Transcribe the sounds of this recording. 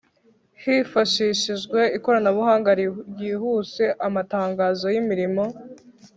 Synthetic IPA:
hifaʃiʃiʒɡwe̞iko̞ɾanaβuhaːŋɡaɾjiːhuːse̞ʔamataːŋɡaːzo̞jimiɾimo̞

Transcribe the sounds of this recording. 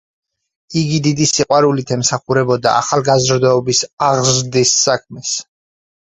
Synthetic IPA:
iɡid̪id̪isiqʼwaɾulit̪ʰɛmsaχuɾɛbɔd̪a̰a̰χalˠɡazɾd̪ɔːbisaʁzɾd̪isːak̚ʰmɛs

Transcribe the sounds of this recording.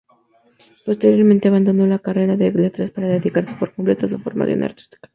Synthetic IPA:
po̞st̪e̞ɾjo̞ɾment̪e̞aβand̪o̞no̞lakare̞ɾaðeɣlet̪ɾaspaɾaðe̞ðikaɾse̞̥po̞ɾkomple̞t̪osufo̞ɾma̰sjo̰na̰ɾt̪i̥st̪i̥kḁ

